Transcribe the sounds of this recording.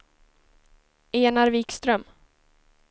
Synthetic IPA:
eːnaɾviːkst̪ɾœm

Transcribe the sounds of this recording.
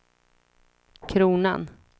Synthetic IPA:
kʰɾuːna̰n

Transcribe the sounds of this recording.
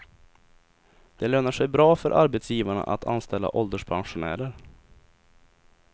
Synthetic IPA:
d̪̥ɛløːnəʂɛjbɾɑːfœɾʔaɾbɛt̪sjiːvaɳa̰ʔa̰t̪ʰa̰nst̪ɛlːa̰ʔɔld̪əʂpʰanɧʊnæ̰ːɾəɾ

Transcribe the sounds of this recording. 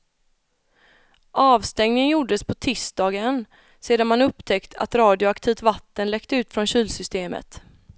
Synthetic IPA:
ʔɑːvst̪ɛŋnɪənjʊɖəspʰɔt̪ʰɪsd̪ɑːɡən | seːd̪anmanɵpːt̪ʰɛkt̪a̰t̪ɾɑːd̪ɪʊakt̪ʰiːvt̪vat̪ːənlɛkt̪əʉ̟ːt̪fɾɔnɕyːlsʏst̪eːmə̰t̪

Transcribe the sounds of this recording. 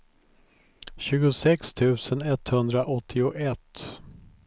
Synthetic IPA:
ɕʉ̟ːɡʊsɛkst̪ʰʉ̟ːsənɛt̪hɵnd̪ɾaʔɔt̪ʰːɪʊʔɛt̪ː

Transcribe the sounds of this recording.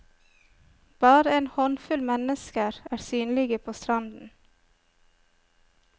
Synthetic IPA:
b̥ɑːɾəeːnhɔnfʉlmɛnəskəɾæːɾsyːnlɪɡəpʰoːst̪ɾɑnd̪n̩

